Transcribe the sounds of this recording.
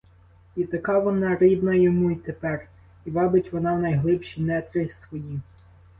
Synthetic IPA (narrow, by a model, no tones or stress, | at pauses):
it̪ɐkɑʋɔnɑɾɪb̪nɐjɔmuit̪epɛr | iʋɑbɪtʲʋɔnɑwnɐjɦlˠɪpʃijnɛt̪ɾɪsʋɔji